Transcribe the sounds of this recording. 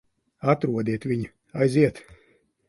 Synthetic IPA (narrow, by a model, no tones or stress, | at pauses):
at̪ɾuɔd̪iɛt̪vʲiɲ | ajziɛt̪